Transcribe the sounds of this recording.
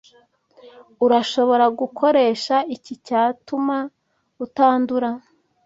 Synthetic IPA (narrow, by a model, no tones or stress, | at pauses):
uɾaʃo̞βo̞ɾaɡukʰo̞ɾe̞ːʃaicicaːtuma | ɡutaːnduɾa